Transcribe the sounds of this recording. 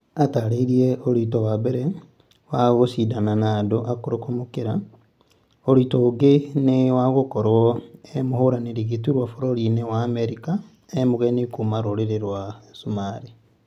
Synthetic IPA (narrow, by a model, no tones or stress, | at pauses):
ataɾeɾiɛʔoɾitɔwabɛɾɛ | waɣosidananaːdoʔakoɾokomokeɾa | oɾitoːɡenewaɣokɔɾwɔɛmohoɾaneɾeɣetuɾwafoɾoɾinewaːmɛɾika | emoɣɛnekomaɾoɾeɾeɾwasumaɾi